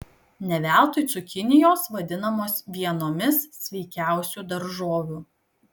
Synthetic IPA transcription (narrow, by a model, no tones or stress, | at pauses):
nʲɛʋʲæˑlˠt̪ʊɪsʊkʲɪnʲɪjoːsʋɐd̪ʲɪnɐmoːsʋʲiɛnoːmʲɪssʲʋʲɛɪkʲæˑʊsʲuːd̪ɐɾʒoːʋʲuː